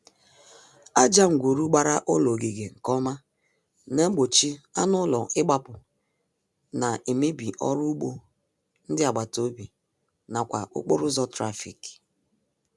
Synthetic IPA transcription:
a˦d͡ʒa˦ŋ͡m̩˨ɡʷo˨ɾu˦ɡ͡ba˦ɾa˦ʔʊ˦lo˨ɡe˨ɡe˨ŋ̩˨kɔ˦ma˦ | ne˦ɡ͡bo˨t͡ʃi˦a˦nʊ˦lɔ˨ʔɪ˦ɡ͡ba˦pʊ˨ | na˨ʔe˨me˦bi˨ʔɔ̰˦ɾʊ˦k͡po˦ | n̩˦dɪ˦a˨ɡ͡ba˨to˦bi˨ | na˨kʷa˨ʊ̰˦k͡po˦ɾʊ˦zɔ˦tɾa˦fḭ˨k

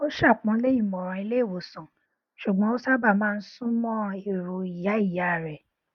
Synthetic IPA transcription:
o˦ʃa˦˨k͡pɔ̃˧˦le˦i˦˨mɔ̃˨ɾ̃ɔ̃˧i˧le˦i˦˨wo˨sɔ̃˨ | ʃu˨ɡ͡bɔ̃˦o˦sa˦ba˦˨mãː˦˧n̩˦sũ˦mɔ̃˦e˦˨ɾo˨i˨ja˨˦i˦˨ja˨˦˨ɾɛ˨

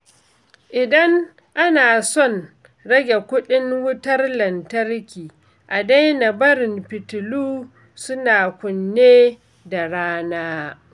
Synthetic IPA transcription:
ʔɪ˨dɐ˦ŋ | ʔa˦naː˨sɔ˦˨n | ɽɐ˦ɡʲe˨kʷʊ˦ɗɪ˦ŋwʊ˦tɐ˦rlɐ˨ntɐ˦rkʲiː˨ | ʔa˨da˦jna˨bɐ˦ɾɪ˨mpɪ˨tʊ˨luː˦ | sʊ˦naː˨kʷʊ˨nːeː˦ | da˨ɽaː˦naː˦

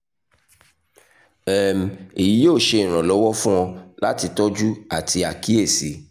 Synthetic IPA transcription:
ɛ˦˨m̩˨e˨ji˨˦joː˦˨ʃe˧ĩ˨ɾ̃ã˨lɔ˨˦wɔ˦fũ˦w̃ɔ̃˧la˦ti˧tɔ˦d͡ʒu˦a˨ti˧a˨ki˦e˦˨si˨˦

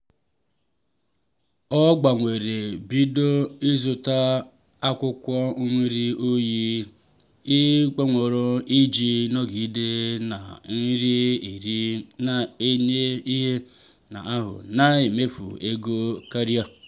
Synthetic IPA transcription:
ɔ˦ɡ͡ba˨ŋʷe˨ɾe˨bi˦do˦i˦zʊ˨ta˦ | a˦kʷʊ˦kʷɔ˦u˦mʷe˦ɾi˦o˦ji˦ | i˦k͡pe˦ŋʷo˨ɾo˦i˦d͡ʒi˦nɔ˦ɡi˨˦de˦na̰˨n̩˦ɾi˦˨ɾ | e˦ɲe˦i˦ɦe˦ | na̰˨a˦ɦʊ̰˨na˦e˨me˦fṵ˨e˦ɡo˦ka˦ɾi˦a˨

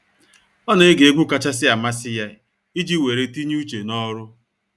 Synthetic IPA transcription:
ɔ˦na˨ɪ˦ɡe˨e˦ɡʷu˦ka˨t͡ʃa˦sɪ˦a˨ma˦sɪ˦ja˦˨ | i˦d͡ʒi˦we˨ɾe˦ti˦ɲ˦u˦t͡ʃe˨nɔ˦ɾʊ˦

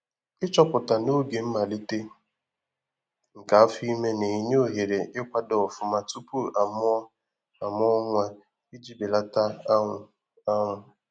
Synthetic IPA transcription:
ɪ˦t͡ʃɔ˦pʊ˨ta˨no˦ɡe˨m̩˦ma˨li˦te˦ | ŋ̩˨ka˨˦fi˦me˦ne˨i˨ɲ˦o˦˨ɦe˨ɾe˨ʔɪ˦kʷa˦dɔ˨fʊ˨ma˨tu˦pu˦ʔa˨m˦ | a˨m˦ɔ˦ŋʷa˦ | i˦d͡ʒi˦be˨la˦ta˦˨ | a˦ŋʷʊ˨

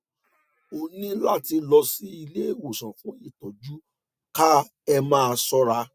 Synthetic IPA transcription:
o˨nĩ˦la˦ti˧lɔ˧si˦i˧le˦e˦˨wo˨sã˨fũ˨˦i˦˨tɔ˨d͡ʒu˦ | ka˦ | ɛ˧mãː˦a˧sɔ˦ɾa˧

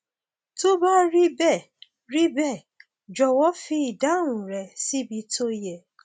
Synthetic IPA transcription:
to˦ba˦ɾi˦bɛ˦˨ | ɾi˦bɛ˦˨ | d͡ʒɔ˨wɔ˨˦fi˧i˨da˨˦ũ˨ɾɛ˨si˦bi˧to˦jɛ˨

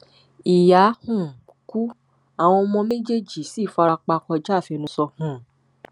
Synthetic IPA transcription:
i˨ja˨˦hũ˦˨ | ku˦ | a˦˨w̃ɔ̃˧ɔ˧mɔ̃˧mẽ˦d͡ʒe˦d͡ʒi˨si˨˦˨fa˧ɾa˧k͡pa˧kɔ˧d͡ʒa˦˨fi˧nũ˧sɔ˧hũ˨

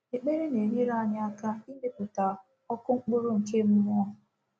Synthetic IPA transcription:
e˨k͡pe˦ɾe˦ne˨mi˦ɾa˦˨ɲɪ˦a˦ka˦i˦de˦pu˨ta˨ | ɔ˦kʊ˦ŋ͡m̩˦k͡pʊ˦ɾʊ˦ŋ̩˨ke˦m̩˦mɔ˦ɔ˦˨

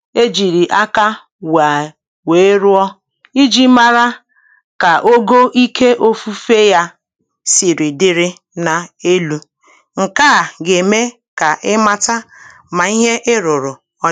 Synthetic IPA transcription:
e˦d͡ʒi˨ɾi˨ʔa˦ka˦ | wa˨ | we˨˦ɾʊ˦ɔ˦ | i˦d͡ʒi˦ma˦ɾa˦ | ka˨ʔo˦ɡo˦ʔi˦kʰe˦ʔo˦fu˦fe˦ja˦ | si˨ɾi˨dɪ˦ɾɪ˦ | na˨e˦lu˦ | ŋ̩˨ka˦˨ɡe˨me˦ | ka˨ʔɪ˦ma˦ta˦ | ma˨i˦ɦe˦ʔɪ˦ɾʊ˨ɾʊ˨ | ɔ˦

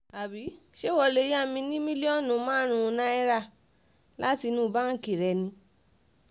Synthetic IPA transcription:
a˨bi˨˦ | ʃe˦wɔ˧le˧˦ja˦˨mĩ˧nĩ˦mĩ˦li˦ɔ˦˨nũ˨˦mãː˦ɾ̃ũ˧nã˦ɛ˦ɾa˦˨ | la˦ti˧nũ˦˧bã˦˨ki˨ɾɛ˧nĩ˧

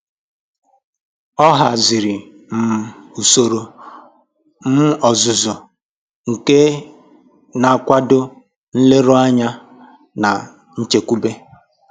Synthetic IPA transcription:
ɔ˦ɦa˨zɪ˨ɾɪ˨ | m̩˨u˨so˨ɾo˨ | m̩˦ɔ˨zʊ˨zɔ˨ | ŋ̩˨ke˦ | na˨kʷa˦dʊ˦ | n̩˦le˦ɾo˦a˦ɲa˦ | na˨ | n̩˦t͡ʃe˨kʷu˦be˦

